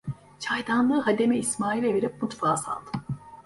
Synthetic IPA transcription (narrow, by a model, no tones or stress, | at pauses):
t͡ʃʰajd̪anlˠɯːɦad̪e̞mɛismaːilʲeveɾip̚mut̪faːsa̰lˠd̪ɯ